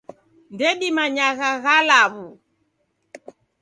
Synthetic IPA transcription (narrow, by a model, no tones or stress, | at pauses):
ndɛɗimaɲaɣaɣalaβu